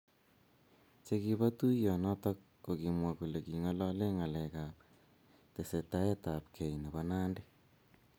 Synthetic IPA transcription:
t͡ʃe˦ki˨βa˦tu˦jɔ˨nɔ˦ta˦ | ko˨ki˨mwa˨ku˨le˨ki˨ŋɔ˦lɔ˦le˦ŋa˨le˨ka˨p̚ | te˨se˨ta˦je˦ta˨pkʰe˨ine˨βa˦naː˦nde˦

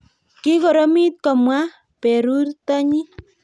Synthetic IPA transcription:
ki˦ko˨ɾo˦mi˦t̪̚kɔ˨mwa˦ | pe˨ɾu˦rta˦ɲi˦

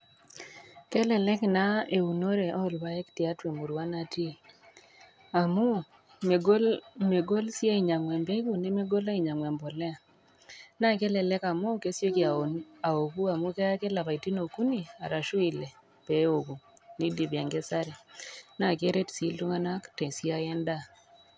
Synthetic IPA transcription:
kɛ˦lɛ˨lɛ˦kna˦e˨u˨no˦ɾe˨ʔɔ˦˨lba˦ɛ˦kti˨a˦twe˨mu˨ɾwa˦na˨ti˦˨ | a˨mu˦ | me˨ɡo˦lme˨ɡo˦lsi˦a˦i˨ɲa˨ŋwɛ˨mbe˦ko˨ne˦me˦ɡo˦la˦i˨ɲa˨ŋwa˨mbɔ˨lɛ˦a˨ | na˦˨ke˦lɛ˨lɛ˦ka˨mo˦ke˦sjo˦ki˨a˨o˨na˨o˨ku˦a˨mu˦ke˦a˦ke˦la˨βa˨i˨ti˦no˨ku˦ni˦˨a̰˨ɾa˨ʃu˦i˨le˨ | pe˨˦o˨ku˨ | ni˦di˨βa˨ŋɡe˦sa˦ɾe˨na˦˨ke˦ɾe˦tsi˨˦ltu˦ŋa˦na˦ktɛ˨si˦a˦jɛ˦nda˦

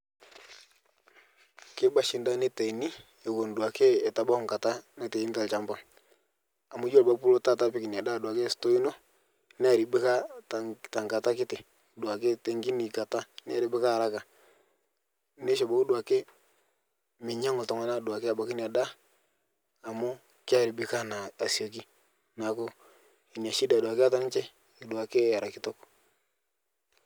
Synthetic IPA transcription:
ke˦ba˨ʃɪ˨nda˦ne˦te˨i˨ni˦ | e˨ɡo˨ndwa˨ke˦ɛ˨ta˨ba˦ŋka˨ta˦ne˦te˨i˦ni˦ta˨lt͡ʃa˦mba˦ŋ | a˨mu˦d͡ʒo˦lba˦pu˦lo˦ta˦ta˦pi˦ki˨n˨a˨da˦˨dwa˨ke˦˨sto˦i˦no˦ | nɛ˦a˨ɾi˨be˦ka˦tta˨ŋka˨ta˦kɪ˦te˨ | dwa˨ke˦te˦ŋɡi˦ni˨ka˨ta˦n˦a˦ɾi˨˦be˦ka˦˨ɾa˦ka˨˦ | ne˦ʃo˨bo˨˦ku˦du˨a˨ke˦ | mi˨ɲa˦ŋo˨ta˨ŋa˨na˦˨du˨a˨ke˦a˨ba˨ki˦n˨a˨da˦˨ | mo˦ | ki˦a˦ɾi˨bi˦ka˦na˨a˨si˨o˨ki˦ | na˨ko˦ | i˨ni˨a˨ʃi˦da˨du˨a˨ka˦ta˦n˦t͡ʃɛ˦ | i˨du˨a˨ke˦ja˨ɾa˨ki˦tɔ˦k

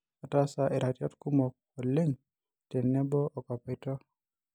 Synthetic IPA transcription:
ɔ˨ta˦sa˨ʔe˨ɾa˨tjɔ˦tku˦mo˨k̚o˨le˦ɲ | te˨nɛ˦bɔ˦ʔo˨kɔ˨petɔ˦

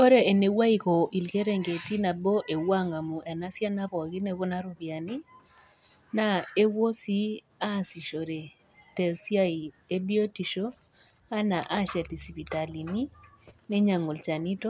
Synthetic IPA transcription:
o˦ɾe˨e˨ne˨wa˦i˨kɔ˨ʔi˨lke˦ɾe˨ŋɡe˨ti˦na˨bo˦ʔe˨wa˦ŋa˨mu˨ʔɛ˨na˦sja˦na˦pɔ˨ɡɪ˦ne˦ko˦na˦ɾʊ˨bja˨ni˦ | na˦e˦wo˦si˦ | a˦˨si˨ʃo˨ɾe˨ | tɛ˨sja˦i˨ | e˦bjo˦ti˨ʃo˦ | a˦na˨ʔa˦ʃa˨ti˨si˨pi˨ta˨li˨ni˦ | nɛ˦ɲa˨ŋo˨lt͡ʃa˨ni˦tɔ˦

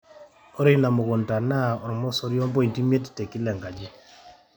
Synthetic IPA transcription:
ɔ˦ɾi˦na˨mɔ˨ɣɔ˨nta˨na˦ɔ˨ɾmɔ˦sɔ˦ɾjɔ˦mbɔ˦i˨nti˦mje˦ti̥˨te˨ki˦lɛ˨ŋɡa˨d͡ʒɛ˦

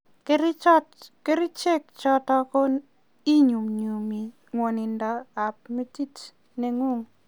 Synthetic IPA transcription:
ke˦ɾt͡ʃɔ˦tke˦ɾi˦t͡ʃe˦k̚t͡ʃɔ˦tɔ˦kɔ˦ | i˦ɲu˨ŋɲu˨mi˨ | ŋwo˨ni˨ndɔ˨a˨p̚mi˦ti˦t | ne˨ŋo˦˨ŋ

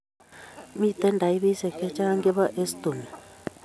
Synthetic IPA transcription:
mi˦˨t̪ɛ˦nda˨i˦βi˦sɛ˨kɛ˦t͡ʃa˦ŋɡɛ˦βa˦ʔe˦st̪u˨mi˨

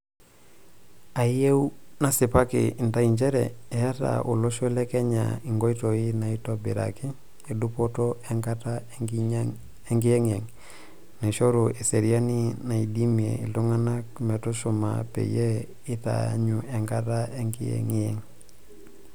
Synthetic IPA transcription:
a˨je˦wuna˨si˨pa˦kḭi˨nta˨iɲd͡ʒe˦ɾḛe˨ja˦ta̰ʔu˨lo˦ʃo˦le˦ke˦ɲa̰iŋɡo˦ito˨i˦na˨itobi˨ɾa̰ki | edupotoeŋkata | eŋɡi˦je˦ŋe˨ŋ | ne˨ʃo˦ɾue˨se˨ɾia˦nina˨idi˦miḛ˨ḭ˨lu˦ŋana˦k̚me˨to˦ʃuma̰pḛ˨je | i˦ta̰a̰ɲuʔe˨ŋkatae˦ŋkiḛŋeŋ

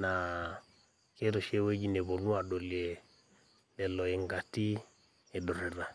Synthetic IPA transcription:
na˨ | ke˦ɾɔ˨ʃe˦we˦d͡ʒi˦ne˨βo˨nu˦a˨ɗo˨le˨ | lɛ˨lɔ˨e˨ŋɡa˨ti˦ | e˨ɗɔ˨ɾɛ˨ɾa˨

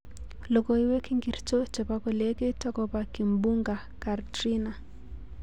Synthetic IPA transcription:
lo˨ko˨i˦we˦ki˦ŋɡi˨rt͡ʃo˦t͡ʃe˨pa˦kɔ˨le˦ke˦tɔ˦kɔ˨pa˨ki˨mbu˦ŋɡa˨ | ka˨rtri˦na˨

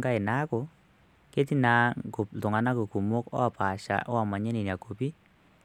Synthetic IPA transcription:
ŋɡa˦ɪ˨na˦kʊ˨ | ke˦t̬i˦na˨kʊ˨tʊ˨ŋa˨na˦ko˨ku˨mʊ˦kɔ̰˦˨pa˨ʃa̰˨ʔɔ˦a˨ma˨ɲɛ˦ni˨n˨a˨ko˨pi˦

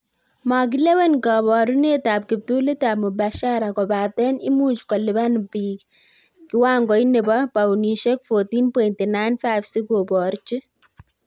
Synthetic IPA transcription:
ma˨k̬ɪ˦le˦wɛ˦nka˨bɔ˨ɾu˦ne˦ta˨p̚kɪ˨p̚tu˦li˦tab̚mu˨ba˨ʃaɾa˨kɔ˨baː˨tɛ˦nɪ˦mu˦t͡ʃkɔ˨lɪ˨ba˦nbiːkː | ɪwaː˦ŋɡɔ˨i˦ne˨ba˦pa˨wni˨ʃɛ˦k̚fo˨tiː˦npɔ˨jinti˨na˦jnfa˦jfsi˦ɡobɔ˨ɾt͡ʃi˦

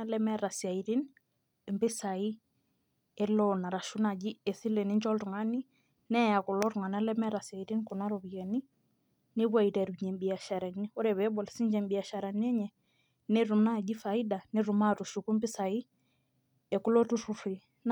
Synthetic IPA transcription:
alɛ˦mɛɾa˨sia˨iɾi˦n | mbi˦sai˦ | ɛ˦lɔna˨ɾa˨ʃu˦na˨d͡ʒi˦ɛ˨θi˦lɛ˨ni˦ɲd͡ʒɔ˦ltu˨ŋa˦ni˦ | nɛ˦ja˨kɔ˨lɔ˦ɾu˨ŋa˨na˦lɛ˦mɛ˦ɾa˨sia˨iɾi˦nku˨na˦ɾɔβiɛ˨ni˦ | ni˦βwa˨i˨ɾɛ˨ɾuɲɛ˨mbi˨a˨ʃa˨ɾa˨ni˦ɔ˦ɾɛβɛ˦bɔ˨lsi˦ɲd͡ʒɛmbi˨a˨ʃa˨ɾa˨nɛ˦ɲɛ˨ | nɛ˦ɾu˨mna˦˨d͡ʒi˦fai˦da˨ne˦ɾu˨ma˦tu˨ʃuku˦mbɪ˦sai˦ | ɛku˦lɔ˦tu˦rufi | n

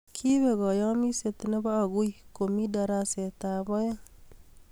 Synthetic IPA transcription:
kʰi˦βe˨ɣɔ˨jɔ˦mi˦se˨t̪ne˦baː˦˨ɣu˦iko˨mi˦da˨ɾa˦se˨ta˨bɔ˦ja˦

